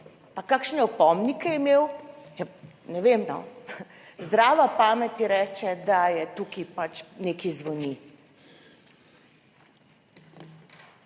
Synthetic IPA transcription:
pakaːkʃnɛɔpɔmnikɛjɛimewja | nɛʋemnɔ̰ | zd̪ɾaːʋapaːmɛt̪jɛɾɛːt͡ʃɛd̪ajɛt̪uːkipat͡ʃneːkizʋɔni

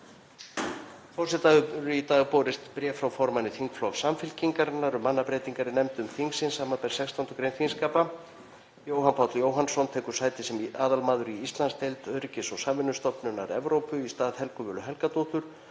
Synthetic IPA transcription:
fɔr̥sɛt̪aʏp̪ʏɾʏit̪aːɣpɔːɾɪst̪pɾjɛːfɾawfɔɾmanːɪθiŋkflɔɣsamfɪlciŋkaɾɪnːaɾʏmːanːapɾeːjt̪iŋkaɾɪnɛmt̪ʏmθiŋksɪnsaːmapɛjɾ̥sɛkst̪awnt̪ʏkɾejnfinskaːpa | joːwɦanpʰawt̪ljoːwɦansɔnt̪ʰɛːkʏ̥saːjt̪ɪsɛmaːðalmaːðʏɾiist̪lanst̪ʰejlt̪œɾcɪsɔɣsaːmvɪnːʏst̪ɔhpnʏnːaɾɛvɾowpʏist̪aːðhɛlkʏvɛːlʏɦɛlkat̪oht̪ʏɾ̥

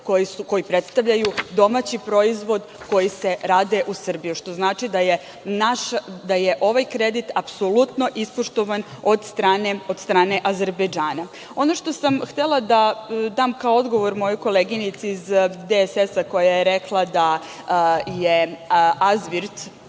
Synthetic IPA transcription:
kojisuko̞jipɾe̞t̪st̪aʋʎajud̪o̞mat͡ɕipɾo̞izʋo̞d̪ | ko̞jise̞ɾaːd̪eʔusr̩bijuʃt̪o̞znaːt͡ʃid̪aje | naʃd̪ajeʔo̞ʋajkɾe̞d̪it̪apso̞lˠut̪no̞ʔispoʃt̪o̞ʋanod̪st̪ɾaneo̞d̪st̪ɾaːne̞ʔaze̞ɾbed͡ʒaːna | o̞no̞ʃt̪o̞samxt̪elˠad̪ad̪aːmkaoo̞d̪ɡo̞ʋo̞ɾmo̞jojko̞leːɡinit̪siizd̪esesako̞jajeɾe̞klˠad̪a | jeazʋiɾt̪

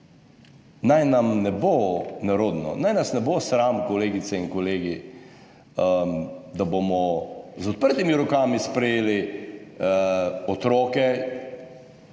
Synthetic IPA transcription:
najnamnɛbonaɾoːd̪nɔ̰najnasnɛbosɾamkɔleːɡit̪sɛiŋnkɔleːɡi | d̪abomɔzɔt̪̚pəɾt̪imiɾɔkaːmispɾɛjeːli | ɔt̪ɾɔːkɛ

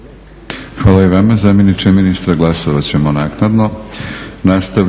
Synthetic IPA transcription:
xʋaːlˠaiʋamazamenit͡ʃeminist̪ɾaɡlˠasoʋat͡ɕe̞mo̞naːknad̪no̞ | nast̪a

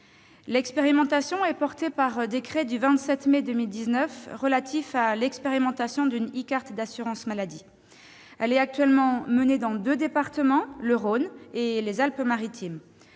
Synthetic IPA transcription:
lɛkspeʁimɑ̃t̪asjɔ̃ɛpɔʁt̪epaʁəd̪ekχɛd̪yvɛ̃t̪sɛt̪med̪ømild̪iznœfʁəlat̪ʰifalɛkspeʁimɑ̃t̪asjɔ̃d̪ynikaʁt̪d̪asyʁɑ̃smalad̪i | ɛlɛt̪ak̚t̪ɥɛlmɑ̃məned̪ɑ̃d̪ød̪epaʁt̪əmɑ̃ləʁonelezalpmaʁit̪ʰim

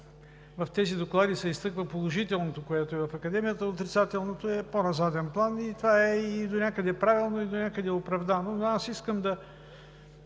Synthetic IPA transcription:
vɐft̪ɛzid̪oklˠad̪isɛist̪ɤkvəpolˠoʒit̪ɛlˠnot̪okoɛt̪oɛvɐfɐkɐd̪ɛmijət̪əot̪ɾit̪sat̪ɛlˠnot̪oɛponɐzat̪ɛnplˠanit̪vaɛid̪onʲakəd̪ɛpɾavilˠnoid̪onʲakəd̪ɛopɾɐvd̪anonasiskəmd̪ɐ

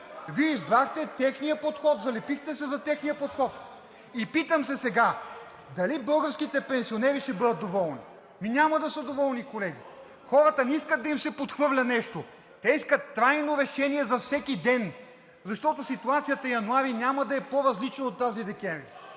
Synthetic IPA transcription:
viɛizbɾaxt̪ɛt̪ɛxnijəpot̪xɔt̪zɐlɛpixt̪ɛsɛzɐt̪ɛxnijəpot̪xɔt̪̚ | ipit̪əmsɛsɛɡa | d̪ɐlibɤlˠɡəɾskit̪ɛpɛ̃nsionɛɾiʃɛbɤd̪ət̪̚d̪ovɔlˠni | minʲaməd̪ɐsəd̪ovɔlˠnikolɛɡ̟ʲi | xɔɾət̪ənɛiskəd̪̚ːɐimsɛpot̪xvɤvlʲɐnɛʃt̪o | t̪ɛiskət̪ːɾajnoɾɛʃɛniɛzɐfsɛkid̪ɛn | zɐʃt̪ɔt̪osit̪uat̪sijət̪əjɐnuaɾinʲaməd̪ɐɛpoɾɐzlit͡ʃnɐot̪ːazid̪ɛkʲɛmvɾi

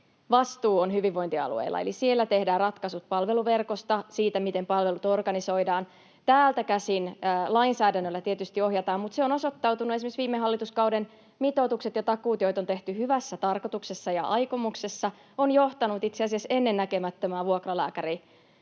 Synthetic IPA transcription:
ʋɑst̪uːonɦyʋiʋːo̞int̪iɑ̰lṵḛjlːɑ̰ḛlisielːæt̪e̞hdæːrrɑt̪kɑsut̪̚pɑlʋe̞luʋe̞rkost̪ɑsiːt̪æmit̪empɑlʋe̞lut̪o̞rɡɑniso̞idɑːn | t̪æːlt̪ækæsinːlɑinsæːdænːølːæt̪iet̪yst̪io̞ɦjɑt̪ɑːmmut̪seono̞so̞t̪ːɑwt̪unuesimeksʋiːmːeɦɑlːit̪uskɑwden | mit̪o̞t̪ukset̪jɑt̪ɑkuːt̪jo̞jt̪o̞nt̪e̞ht̪yhyʋæsːæt̪ɑrko̞t̪ukse̞sːɑjɑ̰ʔɑjkomukse̞sːɑ | onjo̞ht̪ɑnut̪it̪seɑsiɑse̞nːe̞nːækemæt̪ːømæːʋuokrɑlæːkæɾi

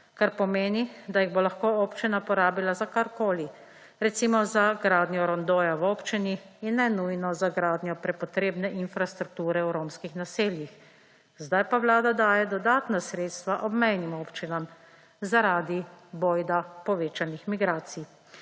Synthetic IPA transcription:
kaɾpɔmeːnid̪ajiɣbolaxkooːpt͡ʃinapɔɾaːbilazakaɾkoːli | ɾɛt̪simɔzaɡɾaːd̪njɔɾɔnd̪oːjawoːpt͡ʃiniinːɛnujnɔzaɡɾaːd̪njɔpɾɛpɔt̪ɾeːbnɛʔinfɾast̪ɾuk̚t̪uːɾɛwɾoːmskixnaseːljix | zd̪ajpaʋlaːd̪ad̪aːjɛd̪ɔd̪aːt̪nasɾeːt̪st̪ʋaʔɔbmɛjnimoːpt͡ʃinam | zaɾaːd̪iboːjd̪apɔʋeːt͡ʃanixmiɡɾaːt̪sij

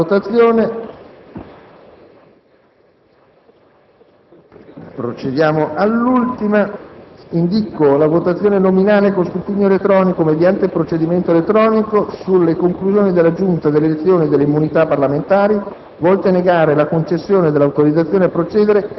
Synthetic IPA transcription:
ot̪at̪sːjoːne | pɾot͡ʃed̪jaːmoʔalːult̪ima | ind̪ikolavot̪at̪sːjoːnenominaːlekost̪up̪iɲːoelet̪ːɾɔːnikomed̪jant̪eilpɾot͡ʃed̪iment̪oelet̪ːɾɔːnikosulːekoŋkluzjoːnid̪elːad͡ʒunt̪ad̪elːelet̪sːjoːnid̪elːeimːunit̪apːarlament̪aːɾi | vɔlt̪aneɡaːɾelakont͡ʃesːjoːned̪elːawt̪oɾid̪zat̪sːjoːneapːɾot͡ʃɛːd̪eɾe

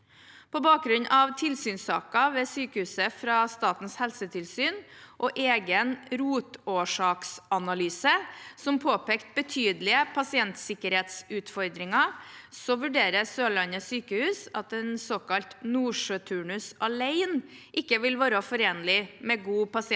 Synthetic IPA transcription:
pʰɔbɑːk̚ɡɾʉnːʔɑʋt̪ʰɪlsyːnsɑ̰ːkɑʋeːsyːkəhʉːsəfɾɑst̪ɑːt̪n̩shɛlsət̪ʰɪlsyːnʔɔʔeːɡənɾuːt̪oːʂɑːksɑnɑlyːsəsɔmpʰoːpeːkt̪̚bət̪ʰyːd̪lɪəpʰɑsɪɛnt̪sɪkəɾheːt̪sʉːt̪fɔɾd̪ɾɪŋɑsɔʋʉɖeːɾəsøːlɑnːəsyːkəhʉːsɑ̰t̪ɛnsoːkʰɑlt̪nuːʂøt̪ʰʉːɳʉsɑleɪnʔɪkːəʋɪlʋɑːɾɑfɔɾeːnəlɪmɛɡuːpɑsɪɛ

